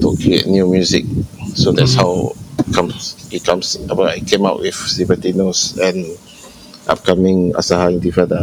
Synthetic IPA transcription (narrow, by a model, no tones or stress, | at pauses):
tukɹiḛt̚njumjuzḭk̚sodɛtshawkʰãmit̚kʰãmsabəajkʰẽmaʊʔ̚wʔifsipətinosɛ̃n | ʔa̰p̚kʰamĩŋa̰sahaĩntufɛdə